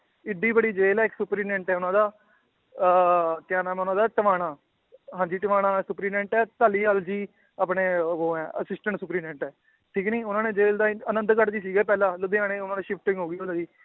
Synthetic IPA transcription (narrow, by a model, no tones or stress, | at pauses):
ɪɖːiːbəɽiːd͡ʒeːlɛːɪksʊpɾiːnɛ̃ːɳʈɛːʊnãːd̪aː | t̪ɪjaːnaːmɛːʊnãːd̪aːʈəʋaːɽaː | ɦãːd͡ʒiːʈəʋaːɽ̃aːsʊpɾiːnɛ̃ːɳʈɛːt̪aːliːaːld͡ʒiː | aːpneːɦoːɛːə̰sɪsʈəɳʈsʊpɾiːnɛ̃ɳʈɛː | ʈʰiːkniːʊnãːnẽːd͡ʒeːld̪aːənə̃nd̪kəɾd͡ʒiːs̬iːɡɛːpɛːlãːlʊd̪eãːnẽːʊnãːneːʃɪpʰʈɪ̃ŋɡɦoːɡiːʊnaːd̪iː